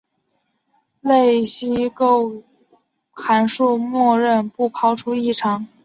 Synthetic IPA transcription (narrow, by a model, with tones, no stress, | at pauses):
le˥˧ɪɕi˥ko˥˩ʊ | xa˧˥nʂu˥˧mwɔ˥˧ɻə˥˧npu˥˩pʰɑ˥ʊʈ͡ʂʰu˥i˥˩ʈ͡ʂʰɑ˧˥ŋ